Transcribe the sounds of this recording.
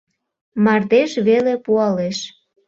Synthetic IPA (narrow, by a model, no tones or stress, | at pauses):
mɑrd̪eʃβelepuɑleʃ